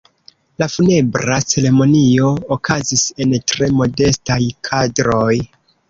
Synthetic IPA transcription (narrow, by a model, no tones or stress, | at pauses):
lafune̞bɾat͡se̞ɾe̞mo̞nio̞ːkazise̞ntɾe̞mo̞de̞stajkʰadɾo̞j